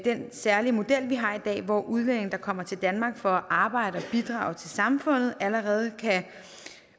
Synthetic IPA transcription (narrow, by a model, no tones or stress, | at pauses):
d̥ensæɐlimo̝d̥el̰ʋiɦɑ̈id̥ɛ̰ːʋɒʔuð̞ˠlen̰e̝ŋ̩d̥ɑ̈kʰɒ̽m̰ɐt͡sʰe̝ld̥ænmɑ̈ːɡ̥fɒ̽æʔɑ̈ːb̥ɑ̈ɪ̰ɾ̥əɒ̽b̥id̥ʁɑ̰̈ːʊt͡sʰe̝lsɑ̈mfɔ̽n̰ð̞̩ˠæləʁɛːð̞̩ˠkʰæ